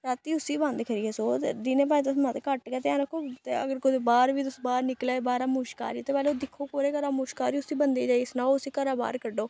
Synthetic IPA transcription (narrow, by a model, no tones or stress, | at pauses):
ɾaːt̪iːʊsiːbə̃nd̪kʰəɾiːɛːsoːt̪ḛd̪ɪneːpãːt̪̬ʊsmãt̪ekəʈkɛːt̪eãːɾəkʰot̪ḛːə̰ɡəɾkʊd̪ebaːɾʋiːt̪ʊsbaːɾnɪklɛːbaːɾaːmuːʃka̰ːɾiːt̪eːpɛːleːd̪ɪkʰːoːkoːɾeːkəɾaːmʊːʃkaːɾiːʊsiːbənd̪eːd͡ʒaːisnaːoʊsiːkəɾaːba̰ːɾkəɖoː